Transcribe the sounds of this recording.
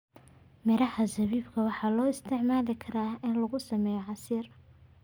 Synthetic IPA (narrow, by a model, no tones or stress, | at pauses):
mɛɾɐhɐsɐβiːbkʰɐwɑħɑːlɔːɪst̪ʰɪʕmaːðɪkʰɐɾaːɪnlɐɣʊsɐmɛːjɔʕɑsiːr